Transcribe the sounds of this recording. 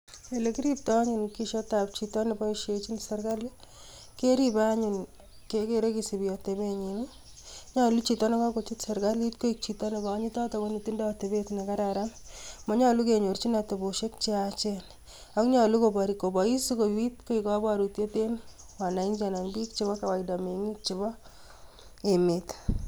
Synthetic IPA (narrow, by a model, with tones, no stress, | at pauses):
ele˦ki˦ɾip̚tɔ˦ɲunkiʃɔtap̚t͡ʃitɔ˦nebɔ˦iʃet͡ʃi˦nsaɾka˦le | ke˦ɾibaɲun | kekeɾekisi˨bi˨jɔtebe˦ɲi˨nu | ɲɔ˦lut͡ʃitɔ˦ne˦kɔ˦ko˨t͡ʃi˦tsa˨ɾkalitko˦ik̚t͡ʃitɔ˦nekɔɲi˦tɔ˦tɔkoni˨ti˦nda˦te˨betna˨ka˦ɾaɾammɔ˦ɲɔ˦lu˦k̬e˨ɲo˨rt͡ʃi˦na˨to˨bo˨ʃe˦k̚t͡ʃe˦at͡ʃe˦n | a˦kɲɔ˨lu˦ko˨ba˨ɾiko˨bɔ˨i˦si˦kowi˦tko˦ikɔ˦ba˨ɾutje˦te˦n | wa˨na˨i˦nt͡ʃa˨na˨ŋbi˦kt͡ʃɪ˦βɔ˦ka˨wa˨ida˨me˨ŋi˦k̚t͡ʃi˨bɔ˦ | e˨met